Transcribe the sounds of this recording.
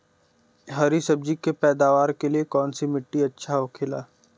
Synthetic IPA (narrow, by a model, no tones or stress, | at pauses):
ɦɐɾisɐb̚d͡ʒikepɛːd̪aːʋaːɾkeliekɔːnsimɪʈːiɐtːʃʰaɦokʰelaː